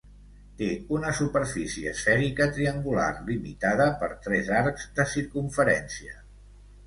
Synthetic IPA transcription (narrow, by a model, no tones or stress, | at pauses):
t̪eunəsupəɾfisiəsfɛɾikət̪ɾiəŋɡula̰rlimḭt̪aðəpəɾt̪ɾɛzaɾkzd̪əsiɾkuɱfəɾɛnsiə